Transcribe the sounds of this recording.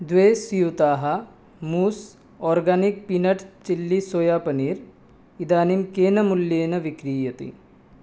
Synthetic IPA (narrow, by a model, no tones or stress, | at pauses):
d̪ʋeːsijut̪aːɦɐ | muːs | oːɾɡaːnik̚pinɐʈt͡ʃilːisoːjaːpɐniːɾ | id̪aːnimkeːnɐmuljeːnɐʋikɾiːjɐt̪ḭ